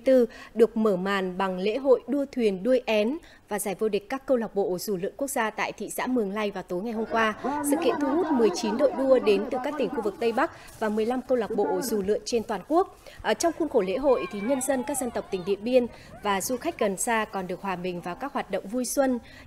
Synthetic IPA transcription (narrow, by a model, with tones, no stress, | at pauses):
t̪ɨ˧ɗɨ˨˩ək̚məː˧˩maː˨˩nɓa˨˩ŋlḛ˧˥ɦo̰˧˨jɗu˧ət̪ʰwi˨˩ənɗu˧əjʔɛ˨˦n | vaː˨˩zaː˧˩jvo˧ɗi˨˩k̟̚kaː˦˥kːə˧wlaː˨˩k͡p̚ɓo̰˧˨z̥u˧˩lɨ̰˧˨əŋku˦˥ək̚z̥aː˧t̪a̰ː˧˨jt̪ʰḭ˧˨sa̰ː˧˥mɨ˨˩əŋla˧jvaː˨˩wt̪o˨˦jŋa˨˩jho˧mŋ͡mkwaː˧sɨ̰˧˨kːḭ˧˨ənt̪ʰu˧hu˦˥t̚mɨ˨˩əjt͡ɕi˨˦nɗo̰˧˨jɗu˧əɗe˨˦nt̪ɨ˨˩kaː˦˥k̚t̪ï˧˩ŋ̟xu˧vɨ˨˩k̚t̪ə˧jɓa˦˥k̚ | vaː˨˩mɨ˨˩əjla˧mkə˧wla˨˩wk͡p̚ɓo̰˧˨zu˧˩lɨ̰˧˨əŋt͡ɕe˧nt̪waː˨˩nku˦˥ək̚ | ʔt͡ɕɔ˧wŋ͡mxu˧nxo˧˩lḛ˧˥ɦo̰˧˨jt̪ʰi˨˩ɲə˧nzə˧nkaː˦˥k̚zə˧nt̪ə˨˩wp̚t̪ï˩ŋ̟ɗḭ˧˨ənɓi˧ən | vaː˨˩zu˧xa˦˥jk̟̚ɣə˨˩nsaː˧kɔ˨˩nɗɨ˨˩ək̚hwaː˨˩ɓï˨˩ŋ̟vaː˨˩wkaː˦˥k̚hwaː˨˩t̚ɗə̰˧˨wŋ͡mvu˧jswə˧n